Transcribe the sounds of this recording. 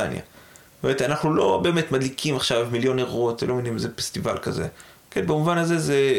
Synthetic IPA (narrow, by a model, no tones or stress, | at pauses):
a̰nja̰ | meet̪anaχnulo̞̰be̞ːme̞t̪mad̪likʰimaχʃavmiljo̞neʁotvelomenimzefe̥st̪iva̰lka̰ze̞̰ | kenbemuvanaze̞ze